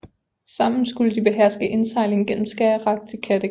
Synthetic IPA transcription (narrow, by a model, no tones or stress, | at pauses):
sɑ̈m̰n̩sɡ̥uləd̥ib̥e̝ɦæɐ̰sɡ̥əʔe̝nsɑ̈ɪle̝ŋ̩ɡ̥en̰m̩sɡ̥æɐʁɑ̈ɡ̥̚t͡sʰe̝kʰæd̥ə